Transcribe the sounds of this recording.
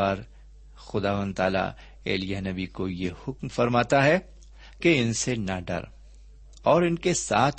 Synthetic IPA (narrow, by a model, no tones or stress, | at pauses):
aːɾ | xʊd̪aːʋə̃nd̪t̪aːla̰ | ḛːlijanɐbikojehʊkmfɐɾmaːt̪aɦɛ | keɪnsenɐɖɐ̰ɾ | ɔːɾɪnkesa̰ːt̪ʰ